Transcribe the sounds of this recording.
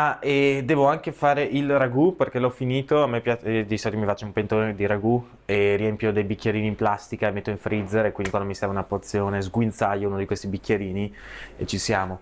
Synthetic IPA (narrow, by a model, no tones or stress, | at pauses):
aɛd̪ɛːvoaŋk̟efaːɾeʔilraɡuperkelɔfiniːt̪oamːepːjat͡ʃd̪isokemifat͡ʃːaumpent̪oned̪iɾaɡu | eriɛmpjod̪ejbikːjeɾiːniːmplast̪ikamet̪ːoĩɱfɾid̪zeɾekwindikwand̪misɛɾvaunapːort̪sːjoːnezɡwint̪sajouːnod̪ikwest̪ibikːjeɾiːniet͡ʃisjaːmo